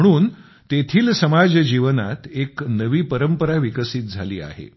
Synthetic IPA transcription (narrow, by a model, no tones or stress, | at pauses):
əɽ̃uːn | t̪et̪ʰiːlsəmad͡zd͡ʑiʋəna̰t̪eknəʋiːpəɾəmpəɾaʋikəsit̪̚d͡zʱa̰liːa̰ɦḛ